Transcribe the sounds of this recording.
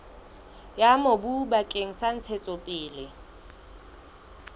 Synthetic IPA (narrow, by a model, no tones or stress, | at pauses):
jamobubakʼeŋ̩san̩t͡sʰet͡sʼɔpʼɪːlɪ